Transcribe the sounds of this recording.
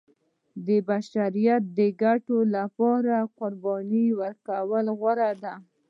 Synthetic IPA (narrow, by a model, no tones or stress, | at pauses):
d̪əbaʃaɾijat̪̚d̪əɡaʈolapɑɾaqʊɾbɑniwəɾkawəlɣwaɾad̪a